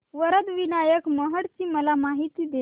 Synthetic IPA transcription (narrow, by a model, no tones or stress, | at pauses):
ʋəɾəd̪ʋinajəkməɦəɽt͡ɕiːməlamaɦit̪iːd̪e